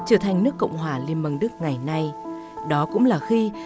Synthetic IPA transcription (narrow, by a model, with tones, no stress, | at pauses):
t͡ɕəː˧˩t̪ʰa˨˩jŋ̟nɨ˦˥əkːə̰˧˨wŋ͡mɦwaː˨˩li˧ənmə˨˧˩ŋɗɨ˦˥k̚ŋa˨˩jna˧j | ɗɔ˨˦kʊ̰˧˥ŋ͡mlaː˨˩xi˧